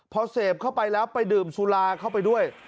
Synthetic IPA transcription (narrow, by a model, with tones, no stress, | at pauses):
pʰɔː˧seː˨˩p̚kʰa˥˩wpa˧jlɛː˦˥wpa˧jdɯː˨˩msʰuː˧laː˧kʰa˥˩wpa˧jdu˥˩əj